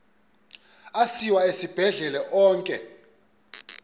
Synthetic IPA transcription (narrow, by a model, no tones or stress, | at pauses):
asiwaesib̥ʱɛɮɛlɛʔɔːŋkʼɛ̰